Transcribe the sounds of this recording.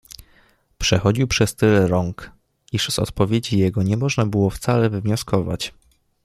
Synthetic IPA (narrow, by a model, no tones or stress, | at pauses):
pʂɛxɔd͡ʑiwpʂɛst̪ɘlɛɾɔŋk | iʐzɔ̰t̪pɔvʲjed͡ʑijɛɡɔɲɛmɔʐnabɘwɔft̪salɛvɘvɲɔskɔva̰t͡ɕ